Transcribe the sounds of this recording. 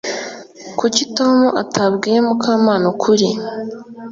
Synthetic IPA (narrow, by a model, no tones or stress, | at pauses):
kucitoːmuʔa̰tʰabɡiɾemukʰaːmaːnokʰuɾi